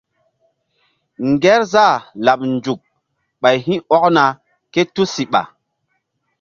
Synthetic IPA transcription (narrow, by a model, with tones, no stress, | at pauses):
ŋɡɛ˦ɾza˦˨la˨pnd͡ʒu˨k̚ | ɓa˨jɦĩ˦ɔ˦kna˨ | ke˦tu˦si˨ɓa̰˨